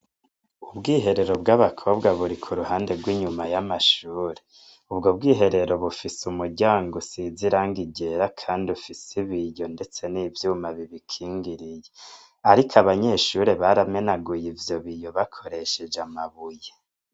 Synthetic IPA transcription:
ubɡiːɦe̞ɾe̞ɾo̞bɡaβakʰo̞ːbɡaβuɾikʰuɾuhaːnde̞ɡwiɲumajamaʃuːɾe̥ | ubɡo̞bɡiːɦe̞ɾe̞ɾo̞βufisumuɾɟaːŋɡosiziɾaŋɡiɟe̞ɾakʰaːndiufisiβijo̞nde̞t͡se̞niːvjuːmaβiβikʰiːŋɡiɾije | aɾikʰaβaɲe̞ʃuɾe̞βaɾame̞naɡujivjo̞βijo̞βakʰo̞ɾe̞ʃe̞d͡ʒamaβuje

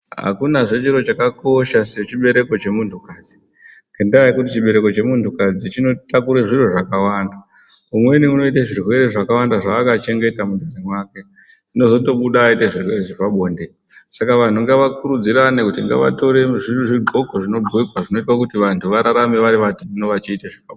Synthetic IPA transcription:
ɦa̰kunaʐe̞t͡ʃiro̞t͡ʃakako̞ʃaset͡ʃiɓe̞ɾe̞ko̞t͡ʃe̞muntʰukaːd͡zi̥ | kendaaikut̬it͡ʃiɓe̞ɾe̞ko̞t͡ʃe̞muntʰukad͡zit͡ʃino̞takuɾeʐiroʐakawanda | umwe̞niuno̞itaʐirwe̞ɾeʐakawandaʐaːkat͡ʃe̞ŋɡe̞tamundʱanimwaːke̞ | ino̞zo̞to̞ɓuɗaːiteʐirwereʐipaɓoːnde | sakaʋan̤uŋɡeʋakuɾud͡ziɾanekutiŋɡḛʋa̰to̞ɾe̞ʐirʐiɡ͡ǃʱo̞koʐino̞ɡ͡ǃʱwekwaʐino̞itwakutiʋantʰuʋaɾaɾameʋaɾiʋatʰuno̞ʋat͡ʃiːtaʐakao

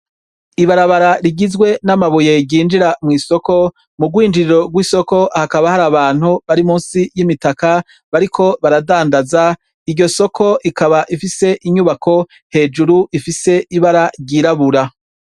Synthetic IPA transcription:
iβaɾaβaɾaɾiɡizɡwe̞namaβuje̞ɟiːnd͡ʒiɾamŋiːso̞ko̞ | muɡwiːnd͡ʒiɾiɾo̞ɡwiːso̞ko̞hakaβahaɾaːβaːn̥huβaɾimuːnsijimitaka | βaɾikʰo̞βaɾadaːndaza | ijo̞so̞kʰo̞ʔikaβaʔifise̞ʔiɲuβakʰo̞ | he̞ːd͡ʒuɾuʔifise̞ʔiβaɾaɟiɾaβuɾa

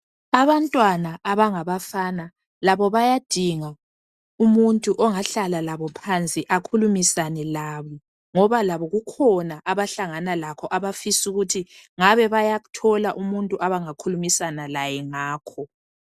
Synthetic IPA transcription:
aβantʼwanaʔːβaŋaβafana | laβɔβajad̥ʱiŋa | umuntʼuʔɔŋaɬalalaβɔpʰant͡sʼiʔakʰulumisanɛlaβɔ | ŋɔβalaβɔɣukʰɔnaʔaβaɬaŋanalakʰɔʔaβafisuɣutʰiŋaβɛβajaɣutʰɔlaʔumuntʼuʔaβaŋakʰulumisanalajɛŋaːkʰɔ

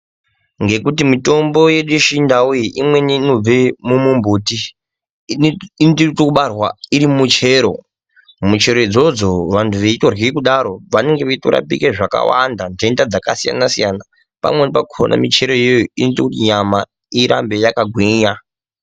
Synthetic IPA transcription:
ŋɡe̞kutimito̞mbo̞jeɗuʃindaujiʔimwe̞ninob͡vemumumbuti | intitokuɓarwaiɾimut͡ʃe̞ɾo̞ | mut͡ʃe̞ɾo̞id͡zo̞d͡zo̞ʋantʰuʋeito̞rwikuɗaɾo̞ʋane̞ŋɡeʋetoɾa̰pikeʐaka̰wa̰ndandendad͡zakasija̰nasijana | pa̰mwe̞nepakʰoo̰nʔa̰mit͡ʃe̞ɾo̞jojoinotokutiɲama | iɾa̰mbe̞jakaɡʱwiɲa

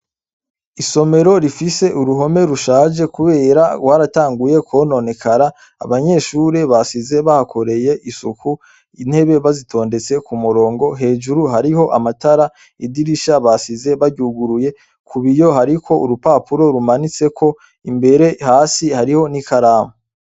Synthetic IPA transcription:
iso̞me̞ɾo̞ɾifise̞ʔuɾuɦo̞me̞ɾuʃaːd͡ʒe̞kuβe̞ːɾaɡwaɾataːŋɡuje̞kʰwo̞no̞ne̞kʰaɾa | a̰βaɲe̞ːʃuɾe̞βasize̞βahakʰo̞ɾe̞je̞ʔisuku | in̥he̞βe̞βazitʰo̞ːnde̞t͡se̞kumuɾo̞ːŋɡo̞ɦe̞ːʒuɾuɦaɾiho̞ʔa̰mataɾa | idiɾiʃaβasize̞βaɾɟuɡuɾuje̞ | kʰuβijo̞ɦaɾikʰo̞uɾupapuɾo̞ɾumanit͡se̞kʰo̞ | imbe̞ɾe̞haːsihaɾiho̞nikaɾaːmo

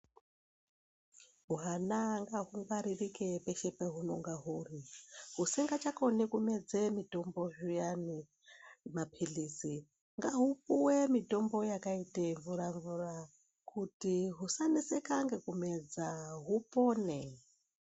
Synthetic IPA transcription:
ɦuɦanaŋɡaɦuŋɡaɾirikepeʃepeɦunoŋɡaɦuːriɦusiŋɡat͡ʃakonikumed͡zemito̞mbo̞ʐujani | mapʰiɮiːsi | ŋɡaɦupuwemito̞mbo̞jakaiteɱvuɾaɱvura | kutiɦusanisekaŋɡekumed͡zaɦupoːne

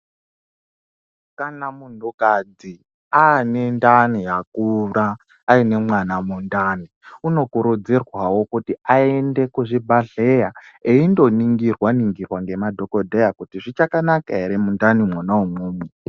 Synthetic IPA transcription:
kanamundukad͡zi | aːnendanijakuɾaː | ine̞mwanamundani | uno̞kuɾud͡zirwawo̞kutiaende̞kuʐibʱaɮe̞jaeindo̞niŋɡirwaniŋɡirwaŋɡe̞madʱo̞ko̞dʱejakutiʐit͡ʃakanakaeɾemundanimwonaumuːmu

